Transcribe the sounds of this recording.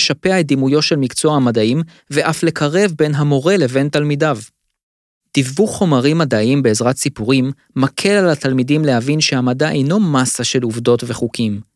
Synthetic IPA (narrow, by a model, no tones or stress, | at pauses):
ʃapeaet̚d̪imujo̞tʃe̞lmikt͡soaamadaim | ve̞ʔafle̞kʰaʁe̞vbe̞nɦamo̞ʁe̞le̞ve̞nt̪almidav | d̪̥ivbuχo̞maʁimːadaʔimbe̞ːzʁatsipuʁimː | akʰe̞lalat̪almidimle̞havinʃehamadaʔejno̞masaʃe̞luvdo̞tveχukʰim